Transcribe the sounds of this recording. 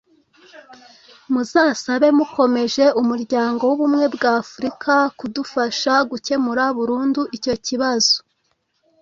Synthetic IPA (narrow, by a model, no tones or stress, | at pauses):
muzaːsaβe̞muko̞me̞ʒe̞umuɾɟaːŋɡo̞wuβumŋe̞bɡaːfuɾikʰakudufaʃaɡuce̞muɾaβuɾuːnduʔico̞ciβaz̥o̥